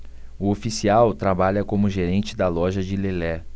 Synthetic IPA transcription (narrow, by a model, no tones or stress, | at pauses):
ʊofisiawt̪ɾabaʎɐkõmʊʒeɾẽnt͡ʃɪd̪ɐlɔʒɐd͡ʒɪlelɛ